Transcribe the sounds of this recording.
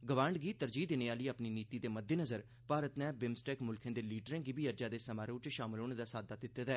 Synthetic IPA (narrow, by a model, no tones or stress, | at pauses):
ɡəʋãːɳɖɡiːt̪əɾd͡ʒiːd̪eːneːaːləiːəpniːniːt̪iːd̪eːməd̪ʱːeːnəzəɾ | paːɾət̪nɛ̃ːbɪmsʈɛːkmʊlkʰẽːd̪eːliːʈəɾẽːɡiːbiːəd͡ʒaːd̪eːsəmaːɾeʊt͡ʃʃaːmɪlɦoːñeːd̪aːsaːd̪aːd̪ɪt̪ːeːt̪aɛː